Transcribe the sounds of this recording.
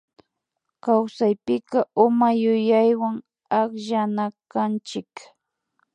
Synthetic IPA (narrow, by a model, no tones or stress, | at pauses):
kawsajpɪkaʔʊmajʊjajwaŋ | akʒanakant͡ʃɪk